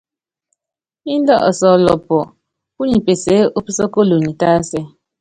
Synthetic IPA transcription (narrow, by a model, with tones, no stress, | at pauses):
i˦n˦dɔ̰˦˨ʔɔ˨sɔ˨lɔ˨pːɔ˨ | pu˦ɲi˨pe˨se˨˦o˦pi˦sɔ˦ko˦lo˨ɲi˨ta˦sɛ˦